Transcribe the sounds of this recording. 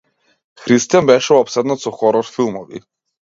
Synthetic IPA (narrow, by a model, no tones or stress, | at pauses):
xɾist̪ijanbɛʃɛɔpsɛd̪nat̪sɔxɔɾɔɾfilˠmɔvḭ